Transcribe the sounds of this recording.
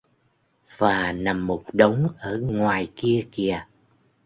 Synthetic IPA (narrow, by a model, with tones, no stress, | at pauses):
vaː˨˩na˨˩mːo˨˩t̚ɗə˨˦wŋ͡mʔəː˧˩ŋwaː˨˩jki˧əki˧˩ə